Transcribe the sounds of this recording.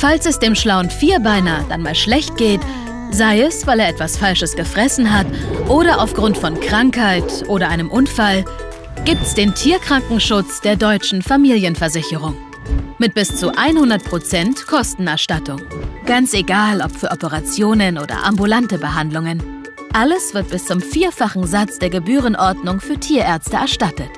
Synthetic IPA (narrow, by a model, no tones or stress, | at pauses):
falsɛsd̥eːmʃlaʊnfiːɐbaɪnaːd̥anmaːlʃlɛçt̚ɡ̥eːt | zaɪɛsvaɪleːɐʔɛtv̥asfalʃəsɡ̥əfʁ̥ɛsn̩ɦatʔoːɾɐʔaʊfɡ̥ʁʊntfɔnkʁ̥aŋkhaɪtʔoːɾɐʔaɪnəmʔʊnfal | ɡ̥iːp̚tɛ̥sd̥eːntʰiːɐkʁ̥aŋkŋ̩ʃʊt͡sd̥eːɐdɔʏt͡ʃn̩famiːljənfɛɐzɪçəʁ̞ʊŋ | mɪt̚b̥ɪst͡suʔaɪnhʊndɐt̚pʁ̥ot͡sɛntkʰɔstn̩ɛɐʃtatʰʊŋɡ̥ant͡seɡaːlɔpfyːɐɔpəʁat͡sjoːnənʔoːdɐ̰ʔa̰mbulantəbəɦandlʊŋən | ʔaləsv̥ɪɐt̚b̥ɪst͡sʊmfiːɐfaχn̩zat͡sd̥eːɐɡəbyːʁənʔɔɐdnʊŋfyːɐtʰiːɐʔɛɐt͡stəɛɐʃtatət